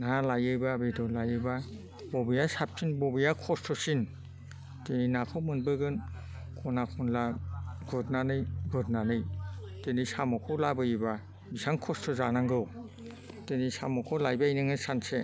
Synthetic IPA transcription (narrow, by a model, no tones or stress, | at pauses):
nalajɯjbabedɔlajɯba | bɔbɯjasap̚sʰinbɔbɯjakʰɔstʰɔsin | teninakʰɔmɯnbɯɡɯn | kʰɔnakʰɔnlaɡɔt̚nanɯjɡɔt̚nanɯjtenisamɔkʰɔwlabɯjiba | bisaŋkʰɔstʰɔzanaŋɡɯw | tenisamɔkʰɔlajbajnɯŋɯsanse